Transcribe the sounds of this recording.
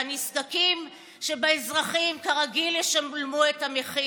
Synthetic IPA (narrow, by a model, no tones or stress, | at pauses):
niskakim | ʃebaezʁaχimkaʁaɡiljeʃamlmuetameχi